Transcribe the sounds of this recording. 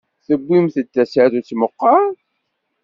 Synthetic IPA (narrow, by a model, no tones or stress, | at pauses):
θəbːimθət͡s̪ːæsaθut͡sːmoqːɑ